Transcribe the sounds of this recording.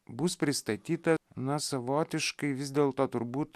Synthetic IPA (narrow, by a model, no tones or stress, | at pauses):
bʊspʲɾʲɪst̪ɐt̪ʲiːt̪ɐnɐsɐʋoːt̪ʲɪʃkɐɪʋʲɪzʲd̪ʲeːlˠt̪oːt̪ʊɾbuːt̪